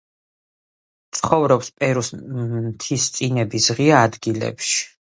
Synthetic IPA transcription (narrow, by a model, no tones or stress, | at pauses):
t̪sʰχɔvɾɔpspʼɛɾust̪ʰist̪sʼinɛbisʁiaːd̪ɡilɛ̰pʃi̥